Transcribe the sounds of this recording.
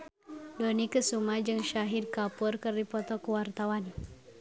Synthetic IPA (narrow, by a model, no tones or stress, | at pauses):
donikəsumad͡ʒɨŋʃaɦid̚kapurkərdipɔt̪ɔkuwart̪awan